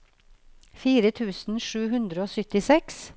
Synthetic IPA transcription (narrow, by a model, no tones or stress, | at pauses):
fiːɾət̪ʰʉːsn̩ʃʉːhʉnd̪ɾəoːsʏt̪ɪsɛks